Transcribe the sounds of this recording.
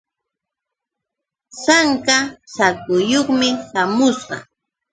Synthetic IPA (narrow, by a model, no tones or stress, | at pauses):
saŋkasakʊjoχmɪʃamʊsɢɑ̰